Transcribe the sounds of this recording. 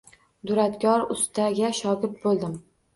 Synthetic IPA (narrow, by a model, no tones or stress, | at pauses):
d̪ʊɾat̪kʲʰɒɾʊst̪ʰaɡʲaʃɒɡʲɪp̚bolˠd̪ɪm